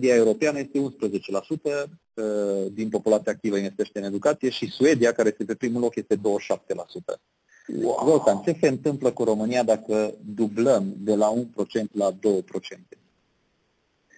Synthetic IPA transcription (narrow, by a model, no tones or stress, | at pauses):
d̪iae̞uɾo̞peanəje̞st̪e̞unspɾəze̞t͡ʃe̞lasut̪ə | d̪inpo̞pulat̪siaːkt̪ivəinve̞st̪e̞ʃt̪eɨne̞d̪ukat̪sije̞ʃisue̞d̪iakaɾe̞je̞st̪epe̞pɾimulo̞kje̞st̪e̞d̪o̞wəʃap̚t̪e̞la̰sut̪ə̰ | ɡok̪ant͡ʃe̞seɨnt̪ɨmpləkuɾo̞mɨnijad̪akəd̪ubləmd̪e̞launpɾo̞t͡ʃe̞nt̪lad̪o̞wəpɾo̞t͡ʃe̞nt̪e̞